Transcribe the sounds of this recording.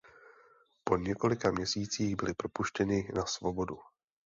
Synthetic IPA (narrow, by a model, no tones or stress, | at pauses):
po̞ɲɛko̞lɪkamɲɛsiːt͡siːɣbɪlɪpɾo̞puʃcɛnɪnasvo̞bo̞du